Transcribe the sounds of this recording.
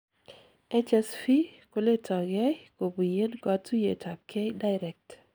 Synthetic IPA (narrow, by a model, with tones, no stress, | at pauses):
ɛ˦t͡ʃɛ˦sfi˦ko˦le˦tʰɔ˨ɡɛ˦ko˨bu˨je˦nɡɔ˦tu˦je˨tʰa˨p̚kʰe˦jda˦ɪɾɛ˨k̚t